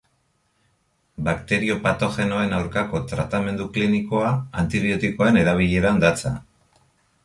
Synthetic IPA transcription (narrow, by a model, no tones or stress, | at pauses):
bakt̪e̞ɾio̞pat̪o̞xe̞no̞e̞nawɾkako̞t̪ɾat̪ame̞nd̪ukliniko̞aːnt̪iβio̞t̪iko̞aene̞ðaβ̞iʎe̞ɾand̪at͡sa̰